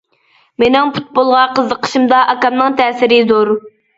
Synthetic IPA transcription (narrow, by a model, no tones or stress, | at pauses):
menɪŋpʰu̥t̪̚bolˠʁɑqʰəzːəqʰə̥ʃimd̪ɑʔɑkɑmnɨŋt̪ʰɛːsɪɾɪzoɾ